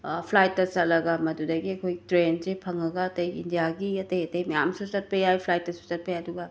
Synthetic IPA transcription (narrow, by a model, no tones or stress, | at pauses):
pʰlajt̚ːɐsɐtlːɐɡɐmɐdudɐɡiɐkʰojtɾensepʰɐŋɐɡɐːtɐjḭndijaɡiɐtɐjɐtɐjmɐja̰msusɐt̚pɐjajpʰlajt̚ːɐsu̥sɐt̚pʰɐjaɐduɡɐ